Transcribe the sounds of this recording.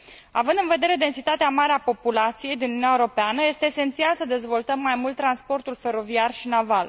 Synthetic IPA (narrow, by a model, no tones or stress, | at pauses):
a̰vɨnd̪ɨnve̞d̪e̞ɾe̞d̪e̞nsit̪at̪eamaɾeapo̞pulat̪sije̞jd̪inununjaeoɾo̞peanəje̞st̪eːse̞nt̪sialsəd̪e̞zvo̞lt̪əmːajmult̪ːɾanspo̞rt̪ulfe̞ɾo̞viarʃinaval